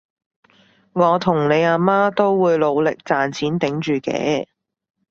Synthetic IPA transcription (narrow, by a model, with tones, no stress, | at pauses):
ŋɔː˨˧t̪ʰʊ˨˩ŋne˨˧jaː˧maː˥t̪o˥wwuː˨˧jlo˨˧wlɪ˨k̚t͡saː˨nt͡sʰiː˨˥nt̪ɪ˨˥ŋt͡ʃyː˨kɛ̰ː˨˧˥